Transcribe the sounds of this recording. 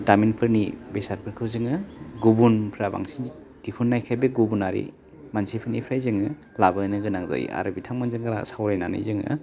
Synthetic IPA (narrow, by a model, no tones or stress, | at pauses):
daminpʰɯɾnibesaɾpʰɯɾkʰɯwzɯŋɯɡubunpʰɾaba̰ŋsin | dikʰunːajkʰajbeɡubunaɾḭ | mansipʰɯɾnipʰɾajzɯŋɯ | labɯnɯɡɯnaŋza̰ja̰ɾɯbitʰaŋmɯnzɯŋɡaɾa̰sawɾajnanɯ̰jzɯŋɯ̰